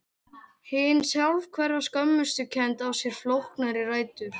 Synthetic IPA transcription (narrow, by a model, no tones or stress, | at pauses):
hɪnːsjalvkʰvɛrːaskœmːʏst̪ʏcʰɛnt̪awsjɛɾ̥flowhknaɾɪraːjt̪ʏɾ̥